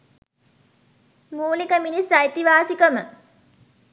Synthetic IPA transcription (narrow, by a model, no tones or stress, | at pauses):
muːlikəminisajt̪iʋaːsikəmə